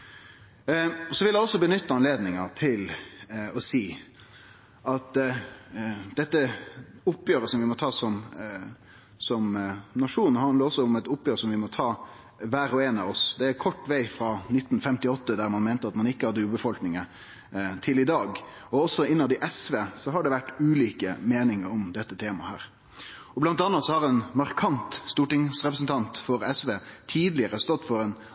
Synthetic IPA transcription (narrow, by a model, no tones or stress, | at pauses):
sɔʋɪljæɪɔsːɔbənʏt̪ːəɑnleːd̪nɪŋɑt̪ʰɪlɔsiː | ʔɑt̪ | d̪̥ɛt̪ːəʊpːjøːɾəsɔmʋɪmɔt̪ʰɑːsɔm | sɔmnɑʂuːnhɑnd̪ləʁɔsːɔʊmɛt̪ʊpːjøːɾəsɔmʋɪmɔt̪ʰɑː | ʋæːɾɔeːnɑʋɔsd̪ɛæɾkʰɔʈːʋæɪfɾɑnɪt̪ːn̩fɛmt̪ɪɔt̪ːəd̪æɾmɑnmæɪnt̪əɑt̪mɑnɪkːəhɑd̪ːəʉːbəfɔlknɪŋə | t̪ʰɪlɪd̪ɑːɡ | ɔɔsːɔɪnːəd̪ɪʔɛsʋeːsɔɦɑɖɛʋæʈːʉːliːkəmeːnɪŋəɾɔmd̪ɛt̪ːət̪ʰeːmɑ̰hæ̰ːɾ | ɔblɑnt̪ɑnːɑt̪sɔhɑɾɛnmɑɾkʰɑnt̪st̪uːʈɪŋsɾɛpɾəsnt̪ʰɑnt̪fɔɾɛsʋeːt̪ʰiːd̪lɪəɾəst̪ɔt̪ːfɔɾɛn